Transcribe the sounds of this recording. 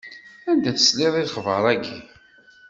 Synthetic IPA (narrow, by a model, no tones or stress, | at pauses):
ænd̪æθəslɪðˤiðχvəɾˤæɡi